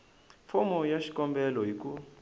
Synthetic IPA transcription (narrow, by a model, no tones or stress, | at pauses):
fɔmɔjaʃi̥kʼɔmbɛlɔjik̬ʼu